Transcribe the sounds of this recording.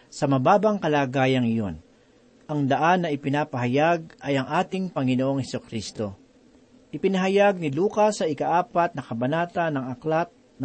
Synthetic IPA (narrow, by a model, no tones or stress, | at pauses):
sɐmɐbaːbɐŋkɐlaːɡaːjɐŋɪjon | ʔɐŋd̪ɐʔanːɐɪpɪnaːpɐɦajaɡ̚ʔɐjɐŋʔaːt̪ɪŋpɐŋɪnoːʔoŋhɛsʊkɾist̪o̞ | ʔɪpɪnɐɦɐjaɡ̚nɪluːkɐsːɐɪkaʔaːpat̪̚nɐkɐbɐnaːt̪anɐŋɐklat̪̚ | n